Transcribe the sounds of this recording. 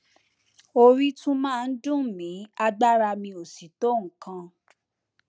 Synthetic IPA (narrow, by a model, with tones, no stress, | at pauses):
o˧ɾi˦tũ˦mãː˦˧˨n̩˦dũ˦˨mĩ˨˦a˧ɡ͡ba˦ɾa˧mĩ˧o˨si˨˦to˦˨ŋ̩˨kã˧